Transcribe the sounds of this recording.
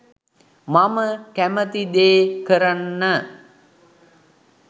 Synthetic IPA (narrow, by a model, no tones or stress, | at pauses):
maməkæmət̪id̪eːkəɾanːə